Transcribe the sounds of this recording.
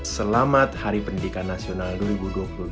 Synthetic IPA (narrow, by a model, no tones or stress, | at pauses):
səlamat̪haɾipəndikanːasionalduəɾibuduapullu